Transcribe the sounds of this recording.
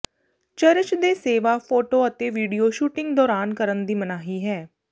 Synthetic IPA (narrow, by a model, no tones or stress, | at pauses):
t͡ʃəɾət͡ʃd̪eːseːʋaːpʰoːʈoːət̪eːʋiːɖijoːʃuːʈɪ̃ŋɡd̪ɔːɾaːnkəɾənd̪iːmənaːɦiːɦɛː